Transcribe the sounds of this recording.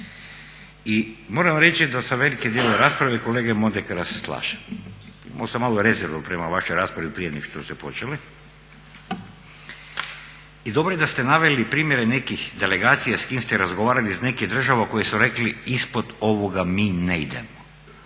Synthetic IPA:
imo̞ːɾamɾe̞t͡ʃid̪asamʋe̞likid̪jelojeɾaːspɾaʋeiko̞leːɡemod̪ekad̪aseslˠa̰ːʃḁmḭma̰losamaːlˠoɾe̞zeɾʋopɾemaʋaʃojɾaːspɾaʋipɾijed̪niʃt̪ost̪epo̞t͡ʃeli | id̪o̞bɾojed̪ast̪enaʋelipɾiːmje̞ɾenekixd̪eleɡaːt̪sijaskiːmst̪eɾazɡoʋaːɾalizne̞kid̪r̩ʒaʋakojesuɾe̞kliispod̪o̞ʋoɡamiːneid̪ḛmo

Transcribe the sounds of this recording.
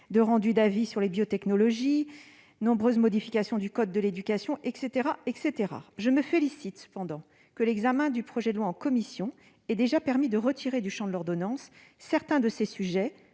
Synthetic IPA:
d̪əʁɑ̃d̪yd̪avisyʁlebjot̪ɛknɔlɔʒi | nɔ̃bʁøzmɔd̪ifikʲasjɔ̃d̪ykɔd̪̚ːəled̪ykʲasjɔ̃ʔɛkset̪eʁaɛkset̪eʁa̰ʒəməfelisit̪sə̥pɑ̃d̪ɑ̃ | kəlɛɡzamɛ̃d̪ypχɔʒɛd̪əlwaɑ̃kɔmisjɔ̃ | ɛd̪eʒapɛʁmid̪əʁət̪ʰiʁed̪yʃɑ̃d̪əlɔʁd̪ɔnɑ̃sː | ɛʁt̪ɛ̃d̪əsesyʒɛ

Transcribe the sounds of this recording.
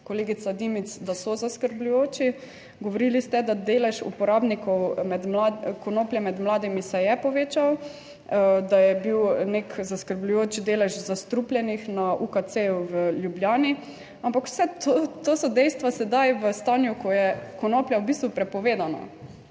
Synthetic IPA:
koleːɡisad̪imit̪sd̪asɔzaskəɾblujoːt͡ʃi | ɡoʋoɾilist̪ɛd̪ad̪eːlɛʃṵpɔɾaːbnikɔwmɛd̪mlakɔnoːpljɛmɛd̪mlaːd̪imisɛjɛpɔʋeːt͡ʃaw | d̪ajɛbiwnekzaskəɾblujoːt͡ʃd̪eːlɛʒzast̪ɾupljɛnixnaʔukat̪seuwəljubljaːni | ampakw̥sɛt̪ot̪osɔd̪ɛjst̪ʋasɛd̪ajʋəst̪aːnjukɔjɛkɔnoplʲjawbist̪ʋupɾɛpɔʋeːd̪ana̰

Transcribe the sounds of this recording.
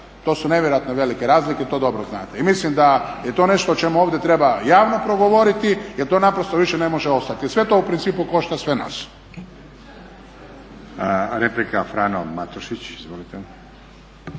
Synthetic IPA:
t̪o̞ːsune̞ʋjeɾojat̪neʋe̞likeɾaːzliket̪o̞d̪o̞bɾoznaːt̪eimislimd̪ajet̪o̞ne̞ʃt̪oːt͡ʃe̞muo̞ːʋd̪et̪ɾe̞bajaːʋno̞pɾo̞ɡoʋo̞ɾit̪ijeɾt̪o̞napɾost̪oʋiʃene̞mo̞ʒeo̞st̪at̪isʋe̞t̪o̞upɾint̪siːpuko̞ʃt̪asʋe̞na̰s | ɾeplikafɾanomat̪oʃit͡ɕizʋolit̪e

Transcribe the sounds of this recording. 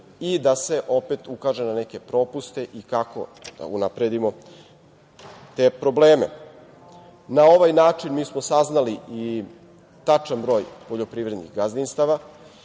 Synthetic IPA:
id̪ase̞ʔo̞pet̪ukaʒe̞naneke̞pɾo̞ːpust̪e̞ʔikako̰d̪̥a̰unapɾe̞d̪imo̞ | t̪e̞pɾo̞bleːme | nao̞ʋajnaːt͡ʂinmiːsmosaznalii | t̪at͡ʂanbɾo̞ːjpo̞ʎo̞pɾiːʋɾed̪nḭɣɡazd̪inst̪aʋa

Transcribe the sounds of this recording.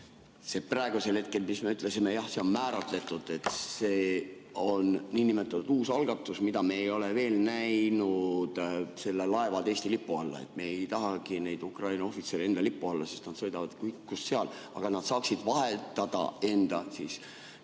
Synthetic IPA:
se̞prɑeɡ̥use̞lhe̞t̪̚ke̞lmisme̞yt̪ːˑle̞simejɑhse̞o̞nmæːɾɑt̪le̞t̪ːˑud̪̥e̞t̪se̞ː | o̞nniːnimet̪ːˑɑt̪ːud̪̥uːsɑlɡ̥ɑt̪ːˑusmid̪ɑmeejo̞le̞ve̞ːlnæjnud̪̥se̞lːelɑe̞vɑd̪e̞ːst̪ilipːˑuɑlːɑ̰e̞̰t̪ːˑmeejt̪ɑɦɑɡ̥ine̞jd̪̥ukrɑjnɑo̞fit̪sele̞nd̪ɑlipːuɑlːɑsist̪nɑd̪̥sɤ̞jd̪ɑvɑd̪̥kujkːusseɑl | ɑ̰ɡ̥ɑnɑd̪̥sɑːksid̪̥vɑɦe̞t̪ːˑɑd̪̥ɑ̰e̞nd̪̥ɑsiːs

